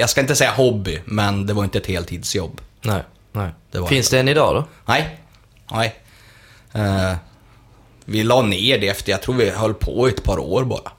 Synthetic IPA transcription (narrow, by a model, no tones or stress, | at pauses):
jɑːɡskaɪnt̪əsɛjːaɦɔbːɪmɛnd̪ɛvaɾɪnt̪əɛt̪heːlt̪ʰːiːd̪sjɔbːnɛɪ | nɛɪd̪̥ɛvaɾfɪnsd̪ɛɛnɪd̪ɑ̰ːd̪ɔ̰nɛj | nʔɛj | vɪlɑːneːɖɛɛft̪əjɑɡ̚t̪ʰɾuːɾvɪhœlːpʰɔ̰ɛt̪pʰɑːɾo̰ːɾbɑ̰ːɾa